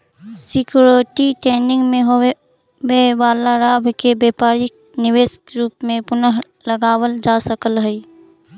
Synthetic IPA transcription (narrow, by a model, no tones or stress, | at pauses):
sɪkjuɾoʈiʈɛːnɪ̃ŋɡmẽɦo | weʋaːlaɾaːbkebɛːpaːɾik̚ | nɪweːskɾuːpmẽpʊnəɦ | ləɡaːwəld͡ʒaːsəkəlɦəi